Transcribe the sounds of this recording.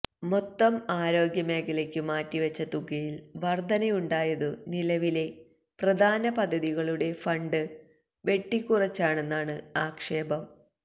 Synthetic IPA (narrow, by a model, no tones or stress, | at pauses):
mot̪ːɐmaːɾo̞ːɡjɐmeːkɐlekʲːɨmaːtːiʋɐt͡ɕːɐt̪uɡɐjilʋɐrd̪ʱɐnɐjuɳɖaːjɐðɨnilɐʋile̞ | prɐd̪ʱaːnɐpɐd̪ʱːɐðiɣɐɭuɽe̞fɐɳɖɨ | ʋe̞ʈːikːurɐt͡ɕːaːɳe̞nːaːɳɨaːkʂe̞ːbɐm